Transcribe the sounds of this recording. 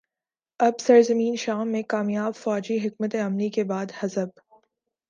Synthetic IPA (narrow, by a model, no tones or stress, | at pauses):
ɐbsɐɾzəmĩːnʃaːmːẽkaːmijaːbfɔːd͡ʒiɦɪk̚mət̪eɐmlikebaːd̪hɐzəb̚